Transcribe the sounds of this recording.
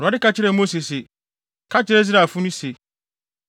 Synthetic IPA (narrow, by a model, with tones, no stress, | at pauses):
ɾa˨˦ɪ˦ka˦t͡ɕʰɪ˦ɾɛ˦˨mo˦se˨se˨ | kʰa˦t͡ɕʰɪ˦ɾɛ˦z̬ɾa˨fʊ˦nũ˦se˨